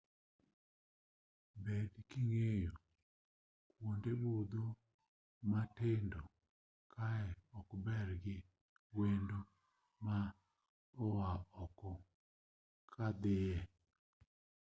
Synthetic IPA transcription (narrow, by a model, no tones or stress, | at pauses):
bedkɪŋejo | kwondebod̪o | matendo | kʰaɛɔkbɛrɡɪ | wendo | ma | owaɔkɔ | kʰad̪ɪjɛ